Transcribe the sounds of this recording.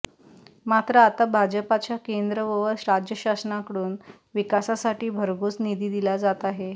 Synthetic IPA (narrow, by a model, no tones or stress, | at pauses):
mat̪ɾəat̪abʱad͡ʑəpat͡ɕakend̪ɾəʋəʋəsɾad͡ʑjəɕasnakəɽuːn | ʋikasasaʈiːbʱəɾɡuːt͡snid̪ʱiːd̪ilad͡zat̪aɦe